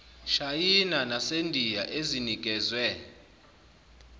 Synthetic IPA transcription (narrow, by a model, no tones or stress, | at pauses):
ʃajinanasendʱijaʔeziniɡ̥ʱɛːzwɛ